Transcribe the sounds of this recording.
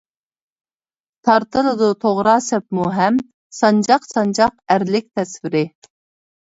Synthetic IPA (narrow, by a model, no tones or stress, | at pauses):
t̪ʰɑɾt̪ʰɨlˠɨd̪ʊt̪ʰoʁɾɑːsɛp̚muɦɛm | sɑnd͡ʒɑqsɑnd͡ʒɑq̚æɾlɪk̚ʲt̪ʰɛsvɪɾɪ